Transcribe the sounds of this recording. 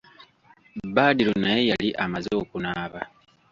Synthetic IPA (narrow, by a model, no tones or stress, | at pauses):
baːdiɾonaje̞jaliʔamazo̞ːkunaːβa